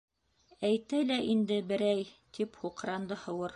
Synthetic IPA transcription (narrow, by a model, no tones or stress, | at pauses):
æjt̪ælæʔind̪ɘbɘ̆ɾæjt̪ʰiphuqɾɑnd̪ɤhɤ̆wɤɾ